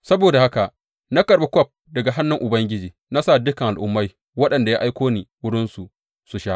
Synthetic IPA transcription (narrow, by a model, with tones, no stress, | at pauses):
sɐ˦boː˨da˨ha˦ka˨ʔ | na˦kɐ˨ɾba˨kʷɔ˦˨p̚ | dɐ˨ɡa˨ɦa˦nːʊ˨ŋʔʊ˨bɐ˦ŋɡʲɪ˦d͡ʒiː˨na˦sa˦˨dʊ˦kɐ˨ŋʔa˨ʔʊ˦mːa˦j | wɐ˦ɗɐ˨nda˨jaː˦ʔa˦jkʷoː˦niː˨wʊ˦ɽɪ˦nsu˨ | su˨ʃa˦ʔ